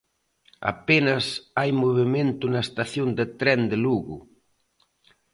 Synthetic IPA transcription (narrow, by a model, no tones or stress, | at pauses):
a̰penɐsajmoβemẽnt̪ʊnɐest̪aθjond̪ɪt̪ɾɛnd̪ɪluɣʊ̰